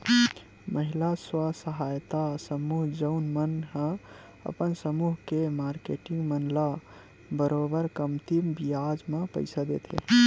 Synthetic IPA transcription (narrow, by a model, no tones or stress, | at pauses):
məɦilaswasəɦajt̪asəmuɦd͡ʒəʊnmənɦə̃ | ə̰pənsəmuɦkemaɾkḛʈĩŋɡmənla | bəɾobəɾkəmt̪imbijad͡ʒmẽpə̰ɪsad̪ḛt̪ʰḛ